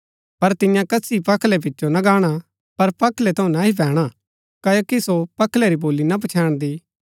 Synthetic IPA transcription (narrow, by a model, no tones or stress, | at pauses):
pɐɾt̪ɪ̃jãkɐsipɐkʰlɛp̬ɪtːt͡ʃonɐɡaːɽ̃a | pɐɾpɐkʰlɛt̪ʰɐũnaɦipɛːɽ̃a | kɐjokisopɐkʰlɛɾiboːlinɐp̬ɐt͡ʃʰɛːɽ̃d̪iː